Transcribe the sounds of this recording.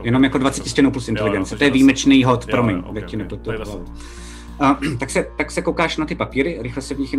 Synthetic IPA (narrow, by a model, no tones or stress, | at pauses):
jɛno̞mjakodvat͡sɛ̥cɪscɛnowplusʔɪnt̪ɛlɪɡɛnt͡sɪt̪ojɛviːmɛt͡ʃnijɦot̪pɾomɪɲdakcɪnɛplɛt̪ːupoɦlavu | ʔat̪aksɛt̪aksɛkowkaːʃnat̪ɪpapiːɾɪɾɪxlɛsɛvɲɪxj